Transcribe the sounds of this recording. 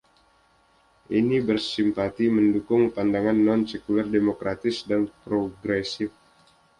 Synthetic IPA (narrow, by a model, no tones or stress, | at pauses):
ʔinibərsimpat̪iməndukʊŋpandaŋanːɔnsekulardemokɾat̪ɪsdanpɾoɡɾesɪf